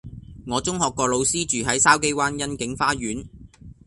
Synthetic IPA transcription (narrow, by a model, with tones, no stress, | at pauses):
ŋɔː˨˧t͡sʊ˥ŋhɔː˨kːɔː˧lo˨˧wsiː˥t͡ʃyː˨ɦɐ˨˥jsaː˥wke˥jwaː˥njɐ˥nkɪ˨˥ŋfaː˥ɥyː˨˥n